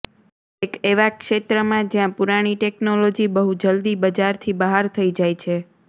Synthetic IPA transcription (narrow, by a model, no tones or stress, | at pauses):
ekeʋakʃet̪ɾəmãd͡ʒjãpuɾaɽ̃iʈeknolod͡ʒibəɦud͡ʒəld̪ibəd͡ʒaɾt̪ʰibəɦaɾt̪ʰəid͡ʒajt͡ʃʰe